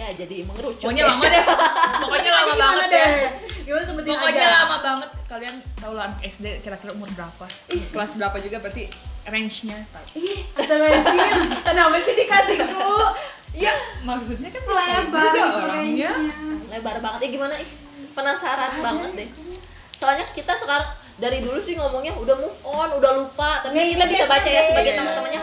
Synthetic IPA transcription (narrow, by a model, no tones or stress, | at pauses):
jad͡ʒadiməŋəɾut͡ʃɔɲalamaat̪ɔkɔɲalamabaŋadɡimanasəmpət̪iɔmaɔd͡ʒaalamabaŋət̪̚kaliant̪aulaanɛsdekiɾakiɾaumʊrbəɾapakəlasbəɾapad͡ʒuɡabəɾat̪irɛɲt͡ʃɲat̪aihdat̪aɾad͡ʒianabəsidikasiku | ijamaksut̪̚ɲakanalaa | ɛalabaɾbaŋət̪̚jaɡimanaɛh | pənasaɾanbaŋət̪̚dɛh | soalɲakit̪asəkaɾaŋ | daɾidulusɪhŋɔmɔŋɲaudahmuʔɔnudahlupat̪apiikit̪abisabat͡ʃajasəbaɡajt̪əmant̪əmanɲa